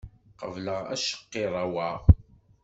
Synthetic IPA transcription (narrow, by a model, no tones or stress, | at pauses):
qəvləʁæ̰ʃə̥qːɪɾˤɑwaʁ